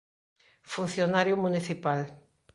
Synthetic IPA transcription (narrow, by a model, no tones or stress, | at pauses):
fun̟θjonaɾjʊmuniθipal